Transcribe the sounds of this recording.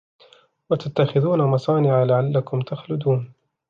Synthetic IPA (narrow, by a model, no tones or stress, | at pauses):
wat̪at̪ːaxɪðuːnamɑsˤɑːnɪʕalaʕalːakʊmt̪ʰaxlʊd̪uːn